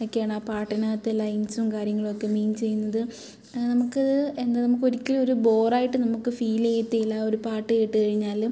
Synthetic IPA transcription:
okːejaːɳaːpaːʈːɐnaːt̪ːɨlɐjnsumkaːɾjɐŋːɐɭo̞kːe̞miːnt͡ɕe̞jːunːɐðɨ | nɐmukːɨend̪enɐmuk̬ːo̞ɾikʲːilmo̞ɾubo̞ːraːjiʈːɨnɐmukːɨfiːleːjt̪ːielːaːo̞ɾupaːʈːɨejiʈːɨkɐɻiɲːaːlu

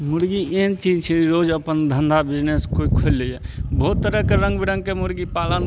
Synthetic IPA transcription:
muɽɡient͡ʃid͡ʒt͡ʃʰiɾod͡ʒəpənd̪ʱənd̪ʱabid͡ʒneskoikʰolːejɛbout̪ːəɾəkeɾə̃ŋɡbiɾə̃ŋɡkemuɽɡipalən

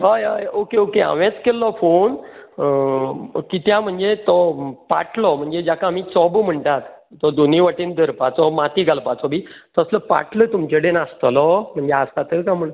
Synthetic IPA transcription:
ɦajajokeokea̰ʋẽt͡skelːɔfon | kit̪jãm̤əɳd͡zet̪ɔpa̰ʈlɔm̤əɳd͡zed͡ʑjakaːmiːt͡sɔbm̤əɳʈ̪at̪ːɔd̪oniʋaʈiːnd̪əɾpat͡sɔmat̪iɡalpat͡sɔbiːt̪ɔəsləpa̰ʈlət̪umt͡ɕeɽenast̪lɔm̤əɳd͡zeast̪at̪əkam̤əɭ

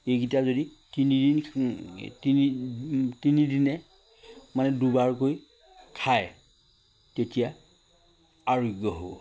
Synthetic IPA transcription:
ekitazodi | tinidin | tinitinidinɛ | manɛdubaɹk̬oj | kʰaj | tetija | aɹoɡjɔɦo̰w

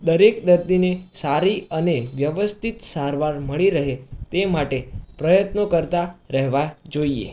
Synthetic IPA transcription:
d̪əɾek̚d̪əɾd̪inesaɾiəneʋjəʋəst̪ʰit̪saɾʋaɾməɭiɾəɦet̪emaʈepɾəjət̪nokəɾt̪aɾəɦʋad͡ʒoiḛ

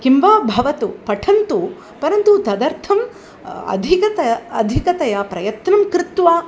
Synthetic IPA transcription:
kimʋaːbʱɐʋɐt̪upɐʈʰɐnt̪u | pɐɾɐnt̪ut̪ɐd̪ɐɾt̪ʰɐm | ɐ̰d̪ʱikɐt̪ɐɐd̪ʱikɐt̪ɐjɐpɾɐjɐt̪nɐmkɾɪt̪ʋaː

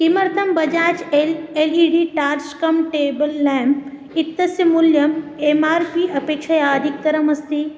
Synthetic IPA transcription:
kimɐɾt̪ʰɐmbɐd͡ʒaːt͡ʃeleːliːɖiːʈaːɾskɐmʈeːbɐlːɛ̃ːmp | ɪt̪ːɐsjɐmʊljɐmeːmaːɾpiɐpeːkʃajaːd̪ʱik̚t̪ɐɾɐmɐst̪iː

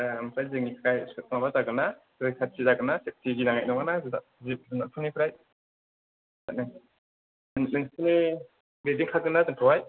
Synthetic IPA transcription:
amsʰajzɯŋikʰɾajskʰɯt̚mabazaɡɯnazɯjsʰaɾ̚tʰizaɡɯnasep̚tʰiɡinaŋajnɔŋanaza | zip̚zɯnatʰunipʰɯɾaj | ana | ɯntʰɯni | bediŋkʰaɡɯnazɯŋtʰɔwaj

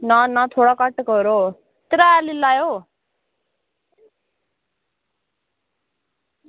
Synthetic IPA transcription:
nʌnʌt̪ʰoɽakʌʈːkoɾo | t̪ɾaːlilajo

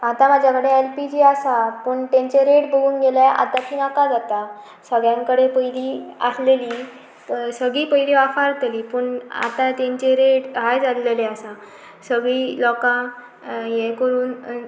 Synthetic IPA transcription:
at̪ãmad͡ʑʱjakəɽeelpid͡ʑiasapəɳt̪ãɲt͡ɕeɾeʈbəɡuːnɡelajʔa̰t̪at̪iːnakad͡zat̪a | səɡɭjãŋkəɽepəjliːa̰sleliː | səɡɭiːpəjleʋafaɾt̪liːpəɳa̰t̪ãt̪jãɲt͡ɕeɾeʈɦajd͡zad̪leleasã | səɡɭiːlɔkã | jekəɾuːn

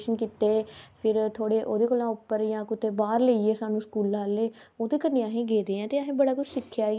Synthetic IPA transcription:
ʃənkit̪eːpʰɪɾt̪ʰoːɽeːʔoːd̪eːkoːlãːʊpːəɾjãːkʊt̪eːbaːɾləieːsaːnũːskuːlːaːleː | oːd̪eːkəneːaɦẽːɡeːd̪eːɛ̃ːt̪eːəɦẽːbəɽaːkʊt͡ʃsɪkʰːjaː

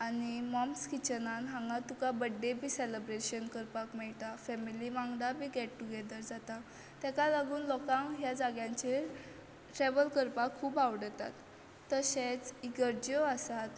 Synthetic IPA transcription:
animɔmskit͡ɕənanɦãŋɡat̪ukabəɖːebʱiːseləbɾeɕənkəɾpakmɛɭʈ̪afɛmiliʋãŋɡd̪abʱiːɡɛʈ̚ʈuɡɛd̪əɾd͡zat̪a | t̪ɛkalaɡuːnlɔkãŋɦjad͡zaɡjãɲt͡ɕe | ʈɾɛʋəlkəɾpakʰːuːbaʋɽət̪a̰t̪ː | əɕet͡siɡəɾd͡ʑoasat̪

